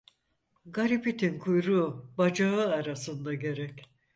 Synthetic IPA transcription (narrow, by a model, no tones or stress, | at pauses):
ɡaɾipit̪ʰinkʰujɾubad͡ʒaɯaɾasɯnd̪aɟe̞ɾɛc